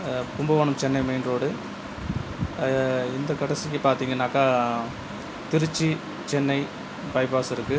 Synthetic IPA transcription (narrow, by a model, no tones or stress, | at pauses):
k̪ʊmbɐʋɐːɳɯmt͡ʃɛnːɐɪmeːɳoːɽɯ | ɪnd̪ɐkɐɽɐsɪk̬ːɯpaːɾt̪iːŋɡɐnaːkːaː | t̪ɪɾɯt͡ʃːi | t͡ʃɛnːɐɪ | bɐɪbaːsɪɾɯkːɯ